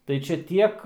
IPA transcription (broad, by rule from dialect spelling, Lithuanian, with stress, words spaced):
tɐɪ ˈt͡ʃʲɛ ˈtʲiɛk